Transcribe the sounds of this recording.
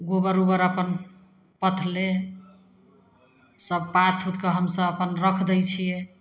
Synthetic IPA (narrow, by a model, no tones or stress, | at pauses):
ɡobəɾubəɾəpən | pət̪ʰle | səb̚pat̪ʰɦut̪kəɦəmsəbəpənɾəkʰd̪əjt͡ʃʰije